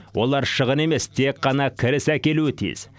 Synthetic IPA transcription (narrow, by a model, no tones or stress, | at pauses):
wʔo̞lˠɑɾʃəʁəne̞me̞st̪ʰe̞kqːɑnɑkʲʰɪɾɪsækʲe̞luɪt̪ʰḭz̥